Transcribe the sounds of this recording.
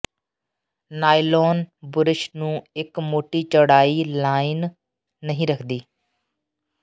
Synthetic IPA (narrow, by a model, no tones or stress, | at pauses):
naːiloːnbʊɾɪʃnũːɪkmoːʈiːt͡ʃəɽaːiːlaːɪnː | əɦĩːɾəkʰd̪iː